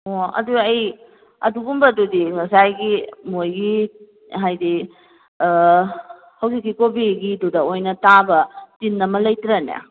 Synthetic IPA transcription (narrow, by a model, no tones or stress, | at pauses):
oɐ̰duɐj | ɐ̰duɡumbɐdudiŋɐsajɡimojɡi | ɦajdi | hɐwsik̚ːikobiɡidudɐojnɐtabɐtinːɐmɐlɐjtɾana̰